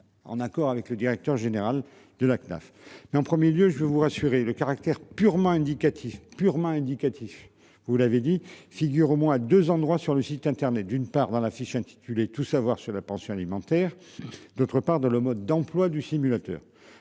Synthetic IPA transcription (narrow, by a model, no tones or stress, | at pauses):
ɑ̰̃nakɔʁavɛkləd̪iʁɛk̚t̪œʁʒeneʁal | d̪əlakna̰f | mɛɑ̃pχəmjeljøʒəvəvuʁasyʁeləkaʁak̚t̪ɛʁpyʁmɑ̃ɛ̃d̪ikat̪ʰifpyʁmɑ̃ɛ̃d̪ikat̪ʰif | vulaved̪ifiɡʲyʁomwɛ̃ad̪øzɑ̃d̪ʁwasyʁləsit̪ɛ̃t̪ɛʁnɛt̪̚d̪ynpaʁd̪ɑ̃lafiʃɛ̃t̪i̥t̪ʰylet̪usavwaʁsyʁlapɑ̃sjɔ̃alimɑ̃t̪ɛʁ | d̪ot̪χəpaʁd̪ɑ̃ləmɔd̪ːɑ̃plwad̪ysimylat̪œ̰ːʁ